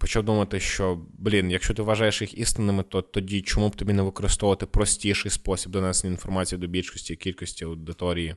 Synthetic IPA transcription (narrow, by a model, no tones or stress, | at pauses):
pɔt͡ʃawd̪umɐt̪ɪʃt͡ʃɔblʲinjɐkʃt͡ʃɔt̪ɪʋɐʒɑjeʃjixist̪ɪnːɪmɪt̪ɔt̪ɔdʲit͡ʃɔmubt̪ɔbʲinɛʋɪkɔɾɪst̪ɔʋɐt̪ɪpɾɔsʲtʲiʃɪjspɔsʲib̚d̪ɔnɛsnʲiinfɔrmɑt͡sʲijid̪ɔbʲilʲʃkɔsʲtʲiikʲilʲkɔsʲtʲiɐwd̪ɪt̪ɔɾʲiji